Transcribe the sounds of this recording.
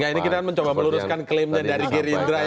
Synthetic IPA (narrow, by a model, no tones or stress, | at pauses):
ŋɡainikit̪akanməɲt͡ʃobaməluɾʊskanklɪmdɲadaɾiɡeɾind̪ɾa